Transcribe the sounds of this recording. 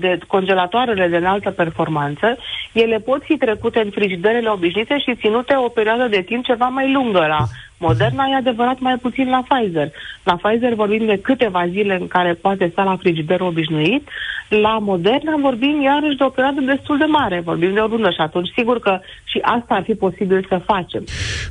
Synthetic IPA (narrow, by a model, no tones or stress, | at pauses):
d̪eko̞nd͡ʒe̞lat̪oaɾele̞d̪enalt̪əpe̞rfo̞rmant̪səje̞le̞po̞t̪fit̪ɾe̞kut̪e̞ɨnfɾid͡ʒid̪eɾele̞o̞biʃnit̪e̞ʃit̪sinut̪e̞o̞pe̞ɾioad̪əd̪e̞t̪imp̚t͡ʃe̞vamajluŋɡəla | mo̞d̪e̞rnajead̪e̞vəɾat̪majput̪sinlafajze̞rlafajzervo̞rbimd̪e̞kɨt̪e̞vazile̞ɨŋkaɾe̞poat̪̬e̞st̪alafɾid͡ʒid̪eɾo̞biʃnuit̪lamo̞d̪e̞rnavo̞rbimjaɾəʃ̬d̪eo̞pe̞ɾioad̪əd̪e̞st̪uld̪e̞maɾe̞vo̞rbimd̪eo̞ɾund̪əʃiat̪unt͡ʃʲsiɡurkə | ʃiʔast̪aːrfipo̞sibilsəfat͡ʃe̞m